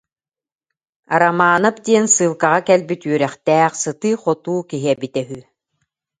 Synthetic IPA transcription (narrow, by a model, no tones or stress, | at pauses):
aɾamaːnap̚d̪iɛnsɯːlˠkaʁakɛlbit̪yœɾɛχt̪ɛːχsɯt̪ɯːχɔt̪uːkiɦiɛbit̪ɛɦy